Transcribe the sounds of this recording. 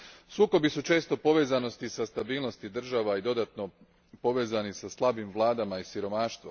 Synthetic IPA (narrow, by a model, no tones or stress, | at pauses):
suːko̞bisut͡ʃe̞st̪o̞po̞ʋe̞ːzano̞st̪isast̪abiːlˠno̞st̪id̪r̩ʒaʋaid̪o̞d̪at̪no̞ | po̞ʋe̞ːzanisaslˠabimʋlˠaːd̪amaisiɾo̞maːʃt̪ʋo